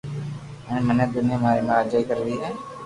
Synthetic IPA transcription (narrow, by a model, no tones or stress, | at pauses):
ə̃mənẽd̪ʊnɪjãːmaːɾḛmaɾaːd͡ʒaːikəɾd̪iːɦɛː